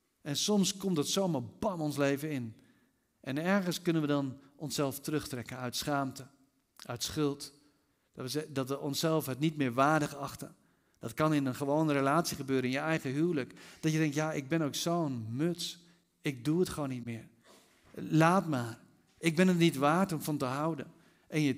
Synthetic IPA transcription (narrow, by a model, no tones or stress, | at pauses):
ʔɛnsɔmskɔmtdətsoːmabɑnɔnsleːvəɪn | ʔɛnɛɹχənskɵnənʋədɑnɔnsɛlˠftərɵxtrɛkənœɥtsχaːmtə | ʔœɥtsχʏlˠt | dədɑtʋəʔɔnsɛlˠfətnitmɪːɹʋaːrdəχəɑxtə | d̥ɑtkɑnɪnənχəʋoːnəɾelaːtsiχəbøːɾənɪnjəɛjɣəɦyələkd̥ɔtjədɛŋktjaɪɡ̚bɪnowksoːənmøts | ɪk̚duətχʋoːnːitmɪːr | laːtmaːr | ɪkɡ̚bɪnətnitʋaːrtɔmfɑntəɦawdə | ʔɛnjə